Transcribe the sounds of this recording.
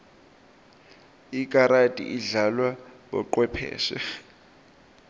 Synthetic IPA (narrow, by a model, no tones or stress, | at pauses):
ikʼaɾatʼḭʔiɮalwaɓɔ̰ǃwɛpʰɛ̰ːʃɛ̰